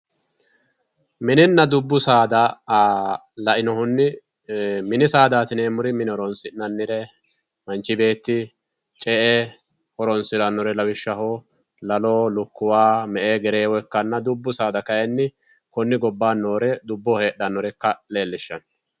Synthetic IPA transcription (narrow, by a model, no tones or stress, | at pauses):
mɪnɪnːɐd̪ʊbːʊsaːd̪ɐ | lɐʔɪnɔhʊnːɪ | mɪnɪsaːd̪aːt̪ɪneːmʊɾɪmɪnɪɔɾɔnsɪnːɐnːɪɾɛ | mɐnt͡ʃːɪbe̞ːt̪ːɪ | t͡ʃʼɛʔɛ | hɔɾɔnsɪlɐnːɔɾɛlɐwɪʃːɐɦo | lɐloːlʊkːʊwaːmɛʔeːɡɛɾeːwɔkːɐnːɐd̪ʊbːʊsaːd̪ɐkɐjɛnːɪ | kɔnːɪɡɔbːaːnːo̞ːɾɛd̪ʊbːɔhe̞ːɗɐnːɔɾɛkːɐle̞ːlːɪʃːɐn